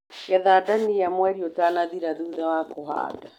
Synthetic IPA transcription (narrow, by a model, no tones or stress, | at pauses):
kɛðaːdanijamwɛɾiotaːnaðiɾaðuðawakoɦa̰ːda